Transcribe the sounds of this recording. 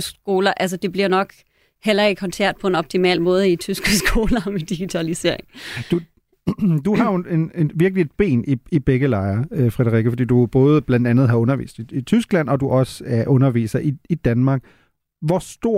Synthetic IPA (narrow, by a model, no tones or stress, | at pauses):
sɡ̥o̝ːlɐʔæls̬əd̥e̝b̥liɐnɒ̽ɡ̥ | hel̰ɐe̝kʰɒ̽nsʰæɐ̰d̥̚pʰɒ̽e̝nɒ̽b̥̚t͡sʰimɛ̰ːlmɔ̽ːð̞ˠəit͡sʰysɡ̥əsɡ̥o̝̰ːlɐmed̥iɡ̥it͡sʰælise̝̰ɐ̰eŋd̥u | d̥uɦɑ̈je̝neʋiɐɡ̥lid̥̚b̥e̝̰ːniib̥eɡ̥əlɑ̈ɪɐøfʁɛɾ̥ɐʁiɡəfɒ̽dḭːd̥ub̥ɔ̽ːð̞̩ˠəb̥lænd̥ænð̞̩ˠɦhɑ̈ɔ̽nɐʋḭːsd̥iit͡sʰysɡ̥læn̰ɒ̽d̥uʔɒ̽səæɐʔɔ̽nɐʋḭːsɐʔiid̥ænmɑ̈ːɡ̥̚ | ʋɒsd̥o̝ɐ̰